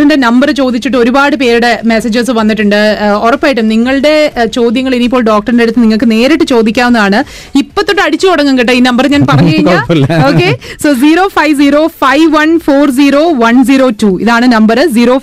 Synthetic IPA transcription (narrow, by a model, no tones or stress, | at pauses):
inde̞nɐmbɐrɨt͡ɕo̞ːd̪it͡ɕːiʈːɨo̞ɾubaːɽɨpe̞ːɾuɽe̞mesɐd͡ʑɐs̬ɨʋɐnːiʈːuɳɖɨorɐpːaːjiʈːumniŋːɐɭɨɽe̞t͡ɕo̞ːd̪jɐŋːɐɭinip̬ːo̞ːɭɖoːk̚ʈɐrndeɽut̪ːɨniŋːɐɭkːɨne̞ːɾɐʈːɨt͡ɕo̞ːd̪ikʲːaːmonːɐðaːɳɨ | ipːɐt̪ːo̞ʈːɨɐɽit͡ɕːɨoɽɐŋːɐŋɡiʈ̬ːɨiːnɐmbɐrɲaːnpɐrɐɲːukɐɻiɲːaoːkːesoːziːɾo̞ːfɐjʋziːɾo̞ːfɐjʋʋɐnfoːrd͡ʑiːɾo̞ːʋɐnd͡ʑiːɾoːtuːiðaːɳɨnɐmbɐɾɨziːɾoː